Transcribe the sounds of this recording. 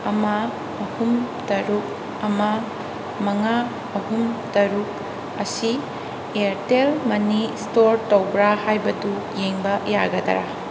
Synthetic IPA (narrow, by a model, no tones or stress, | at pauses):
ɐma | ɐhumtɐɾuk̚ | ɐma | mɐŋa | ɐhumtɐɾuk̚ | ɐsi | eɾtelmɐnistoɾtowbɾahajbɐdu | jeŋbɐjaɡɐda̰ɾa